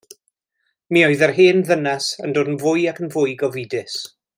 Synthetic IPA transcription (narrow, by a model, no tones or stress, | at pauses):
mioɨðərɦeːnðənɛsəndoːdənvʊjakənvʊjɡɔvidɪs